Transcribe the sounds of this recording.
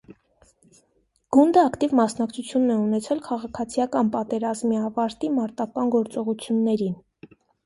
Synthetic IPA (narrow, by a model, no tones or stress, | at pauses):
ɡ̥und̪əɑkt̪ivmɑsn̪ɑkt͡sʰut͡sʰjunːɛunɛt͡sʰɛlkʰɑʁɑkʰɑt͡sʰijɑkɑnpɑt̪ɛɾɑzmiɑvɑɾt̪imɑɾt̪ɑkɑnɡɔɾt͡sɔʁut͡sʰjunːɛɾin